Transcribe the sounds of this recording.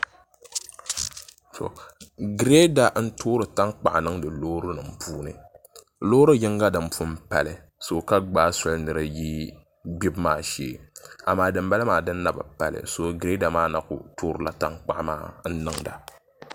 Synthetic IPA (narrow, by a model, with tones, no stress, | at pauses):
to̰˨ɡɾe˦da˨n̩˦toː˦ɾɨ˨ta˦ŋk͡pa˨ʔnɨ˦ŋdɨ˨loː˦ɾɨ˦nɨ˨m̩˦pʰuː˦nɨ̰˨ | lo˦ɾɨ˦jɪ˦ŋɡa˦dɨ˨m˦pu˦m˦pa˨lɨ˨ | so˨ka˦ɡ͡baː˦sʊ˦lnɨ˨ɾɨ˦ji˦ | ɡ͡bi˦bmaː˦ʃḛː˨a˨maː˦dɨ˨mba˦lɨ˦maː˨dɨ˦nː˦a˦˨ba̰˨pa˨lɨ̰˨so˨ɡɾe˦da˨maː˦na˨kʊ̰˨toː˦ɾɨ˨la˦ta˦ŋk͡pa˦ʔma̰ː˦n̩˦nɨ˦ŋda̰˨